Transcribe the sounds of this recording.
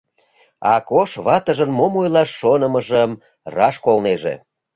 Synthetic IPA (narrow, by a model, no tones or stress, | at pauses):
ɑ̰koʃβɑt̪əʒənmomojlɑʃːonəməʒəm | rɑʃkolneʒḛ